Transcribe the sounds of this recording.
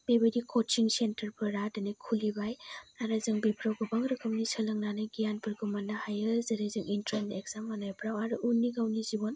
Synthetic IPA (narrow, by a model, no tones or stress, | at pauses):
bebedikʰɔt͡ʃiŋsentɐɾpʰɯɾadɐnɯkʰulibajaɾazɯŋbipʰɾawɡɯbaŋɾɯkʰamnisɯlɯŋnanɯjɡijanpɯɾɡɯmanːahajɯzɐɾizɯŋintɾenteɡzamanajpɾawaɾuʔunːiɡawnizibɔn